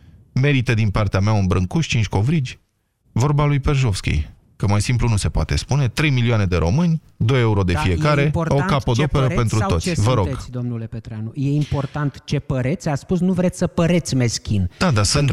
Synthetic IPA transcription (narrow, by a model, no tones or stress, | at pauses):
me̞ɾit̪əd̪inpart̪eameaɨnbɾɨŋkuʃʲt͡ʃint͡ʃʲko̞vɾid͡ʒʲ | vo̞rbalujpe̞rʒo̞fskʲḭj | kəmajsimplunuse̞poat̪e̞̰spune̞t̪ɾe̞jmilioane̞d̪e̞ɾʔo̞̰mɨnʲ | d̪o̞jeuɾo̞d̪e̞ffie̞kaɾe̞o̞kapod̪o̞pe̞ɾəpe̞nt̪ɾut̪o̞t̪sʲvəɾoɡ̥d̪omnulepet̪ɾanujeimpo̞rt̪ant̪t͡ʃe̞pəɾet̪sʲasspusnuvɾet̪sʲsəpəɾe̞t̪sʲme̞skʲind̪̥ad̪asɨnt̪